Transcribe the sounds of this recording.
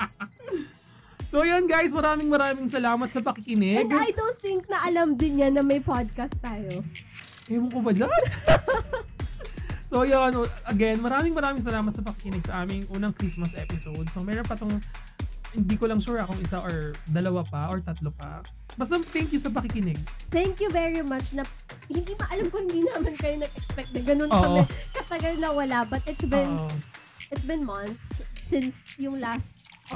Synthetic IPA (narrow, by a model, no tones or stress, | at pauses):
sojonɡajsmɐɾaːmɪŋmɐɾaːmɪŋsɐlaːmɐt̪sɐpɐkɪkɪnɪɡ̪ajd̪ot̪ɪŋk̚nɐʔɐlamd̪ɪnɲanɐmɐjpad̪̚kɐst̪ːaːjo | ɛmʊŋkʊbɐd͡ʒan | sojonoʔɐɡɛnmɐɾaːmɪŋmɐɾaːmɪŋsɐlaːmɐt̪̚sɐpɐkɪkɪnɪɡ̚sɐʔaːmɪŋʔuːnɐŋkɾismɐsʔɛpɪsowd̪̚sɐŋmɛːɾonpɐt̪oŋ | hɪnd̪iːkolɐŋʃuːɾɐkʊŋɪsaʔoɹd̪ɐlɐwapɐʔoɹt̪ɐt̪lopɐ̰ | bɐst̪ɐmt̪ɛŋkjusɐp̬ɐkikɪnɪɡ̚θɛŋkjuvɛɹimɐt͡ʃnɐ | hɪnd̪imɐʔɐlamkohɪ̃nd̪iːnɐamɐnkɐjonɐɡ̚ɛkspɛk̚t̪̚nɐɡɐnonoːɐʔmɛkɐt̪ɐɡɐlnɐwɐlabɐt̪̚ʔɪt̪sbɪ̃n | ʔɪt̪sbɪ̃nmɐnt̪sːɪnsjʊŋlast̪̚